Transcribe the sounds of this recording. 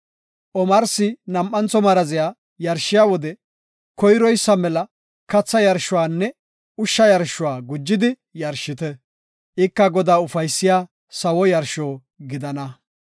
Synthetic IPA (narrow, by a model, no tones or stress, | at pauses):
ʔɔmɐɾsɪnɐmʔːɐnt͡sɔmɐɾɐzɪjaː | jɐɾʃːɪjaːwɔd̪ɛ | kɔjɾɔjsːɐmɛlɐ | kɐt͡sːɐjɐɾʃʊwaːnːɛ | ʊʃːɐjɐɾʃʊwaːɡʊd͡ʒːɪd̪ɪ | jɐɾʃɪt̪ɛ | ʔɪkːɐɡɔd̪aːʊfɐjsːɪjaː | sɐwɔjɐɾʃoː | ɡɪd̪ɐnɐ